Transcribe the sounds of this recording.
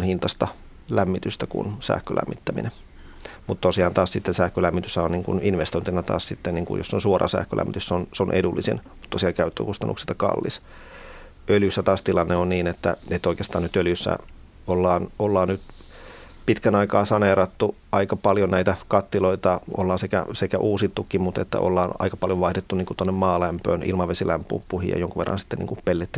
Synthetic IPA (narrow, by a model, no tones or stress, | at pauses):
nhint̪ɑst̪ɑ | læmːit̪yst̪ækṵnsæ̰hkø̰læ̰mːit̪ːæmḭne | mut̪t̪osiɑːnt̪ɑːssit̪ːensæhkølæmːit̪ysːæonniːŋkṵninʋest̪oint̪inɑt̪ɑ̰ːssit̪ːenniːŋkṵjo̰sːonsuorʔɑ̰sæ̰ːhkø̰lʔæ̰mːit̪yssonseonʔḛdulːisḭnmut̪tosiɑːkæyt̪ːø̰kust̪ɑnʔṵksi̥t̪ɑkɑ̰lːis | øljysːæt̪ɑːst̪ilɑnːeonniːnet̪ːæ̰et̪ːoikeːst̪ɑːnyt̪øljysːæ̰ | olːɑːnolːɑːnnyt̪ | pit̪kænɑikɑːsɑneɾɑt̪ːu | ɑikɑpɑljonæit̪ækɑt̪ːiloit̪ɑo̰lːɑːnsekæ̰sekæʔuːsit̪ːukːimmut̪ḛt̪ːæ̰ʔo̰lːɑːnɑ̰ikɑpɑljoʋɑihdet̪ːunniːŋkut̪onːemmɑːlæmpø̰ːnʔḭlmɑʋesilæmpːṵːppːuhḭjɑ̰joŋkuʋḛrːɑ̰nsi̥t̪ːenḭŋkupelːet̪ːi